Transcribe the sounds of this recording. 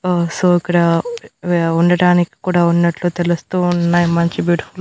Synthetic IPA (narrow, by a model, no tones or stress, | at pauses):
osoːikːɐɽɐ | uɳɖɐɽaːniki̥kuːɽaːunːɐʈlut̪e̞lust̪unːaːjimɐɲt͡ʃibuːɽful